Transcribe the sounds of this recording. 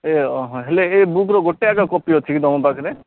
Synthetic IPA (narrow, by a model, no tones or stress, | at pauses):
eɔɦɔ̃ɦeleebukɾɔɡoʈːeakakɔpiɔt̪ʰikid̪ɔmɔ̃pakʰɾe